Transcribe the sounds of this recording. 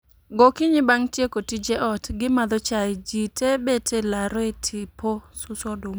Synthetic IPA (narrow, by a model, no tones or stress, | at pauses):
ɡokiɲɪbaŋtjekotid͡ʒeʔɔtɡɪmad̪ɔt͡ʃad͡ʒitʰebetʰelaɾɔetʰɪposʊsɔdom